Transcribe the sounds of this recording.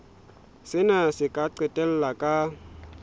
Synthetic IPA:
sɪnasɪkʼaǀetel̩ːakʼa

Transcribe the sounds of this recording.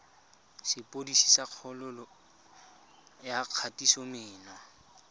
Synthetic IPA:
sɪpʼodisi̥saq͡χʰɔlʊlɔ | jaq͡χʰatisɔmɪːnwa

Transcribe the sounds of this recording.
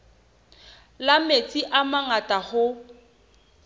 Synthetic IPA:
lamet͡sʼiʔamaŋatʼahʊ

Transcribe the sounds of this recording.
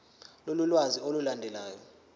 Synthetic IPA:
lolulwaziolulandʱɛlaːjɔ

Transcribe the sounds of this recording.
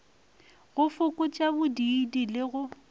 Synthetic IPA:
ɣʊfʊkʼʊt͡ʃʼabʊdidilɪɣʊ

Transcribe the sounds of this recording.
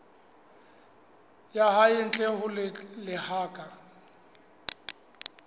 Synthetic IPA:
jaɦaɪn̩t͡ɬʼɛhʊllɪhaːkʼa

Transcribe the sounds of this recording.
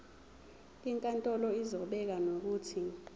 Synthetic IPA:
iŋkʼantʼɔlɔizɔɓɛk̬anok̬uːtʰi

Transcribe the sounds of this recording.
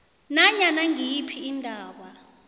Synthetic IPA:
naɲanaŋijipʰiːndʱaːwa

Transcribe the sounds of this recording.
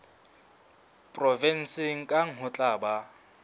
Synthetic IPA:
pʼrɔvɛn̩sɪŋ̩kʼaŋ̩ɦʊt͡ɬʼaːba

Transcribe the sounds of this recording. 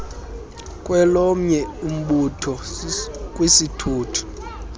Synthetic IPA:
kʼwɛlɔm̩ɲɛum̩ɓutʰɔ | k̬ʼwisitʰuːtʰu̥

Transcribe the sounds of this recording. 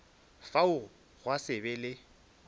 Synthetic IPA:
faʊ | ɣwasɪbɛlɪ

